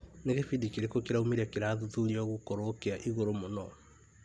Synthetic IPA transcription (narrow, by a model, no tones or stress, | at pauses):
neɣefidikiɾekokeɾaumeɾakeɾaːðuðuɾiɔɣukoɾokeaʔiɣoɾomonɔ